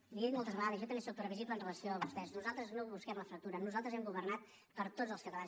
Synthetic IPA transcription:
iðit̪molˠt̪əzβəɣaðəzjɔt̪əmbesok̚pɾəβiziplənrələsioəβust̪ɛznuzalˠt̪ɾəznoβuskɛmləfɾək̚t̪uɾənuzalˠt̪ɾəzɛmɡuβərnat̪̚ | pəɾt̪od͡zəlˠskət̪əlan

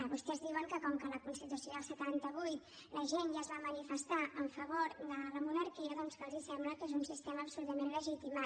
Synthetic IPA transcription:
βust̪ɛzðiwəŋkəkɔmkələkunst̪ət̪ɾəsjoðəlˠsət̪ant̪əβujt̪ | ləʒenʒazβamənifəst̪aʔəɱfəβoɾd̪ərəmunəɾkiəðɔnskazisɛmbləkezunsist̪eməːpsulut̪əmenləʒit̪ima

